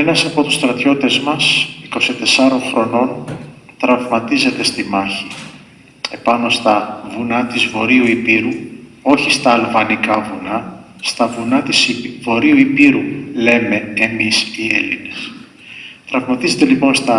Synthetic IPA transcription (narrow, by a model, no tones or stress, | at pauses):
e̞nɐsɐpo̞t̪ust̪ɾɐt̪ço̞t̪e̞zmɐsiko̞sit̪e̞sɐɾo̞ŋxɾo̞no̞nt̪ɾɐvmɐt̪ize̞t̪e̞st̪imɐçi | e̞pɐno̞st̪ɐvunɐt̪izvo̞ɾiuipiɾu | o̞çist̪ɐːlvɐnikɐvunɐ | st̪ɐvunɐt̪isivo̞ɾiuipiɾule̞me̞ːmisielḭne̞s | t̪ɾɐvmɐt̪ize̞t̪elipo̞nst̪ɐ